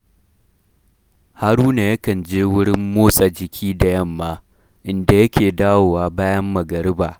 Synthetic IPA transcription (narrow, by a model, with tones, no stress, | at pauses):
ha˦ɽuː˦na˨jɐ˦kɐ˨nd͡ʒeː˦wʊ˦ɽɪ˦mːoː˦sʼa˨d͡ʒɪ˨kʲʰiː˦da˨jɐ˦˨mːaː˦ | ʔɪ˨nda˨jɐ˦kʲʰeː˨daː˦woː˨waː˦baː˦jɐ˦mːɐ˨ɡɐ˨ɽɪ˦baː˨